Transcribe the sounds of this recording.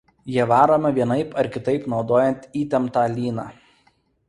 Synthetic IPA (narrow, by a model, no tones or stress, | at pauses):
jiɛʋɑːɾoːmɐʋʲiɛnɐɪpɐɾkʲɪt̪ɐɪpnɒʊd̪oːjɛnʲt̪ʲiːt̪ʲɛmt̪ɑːlʲiːnɑː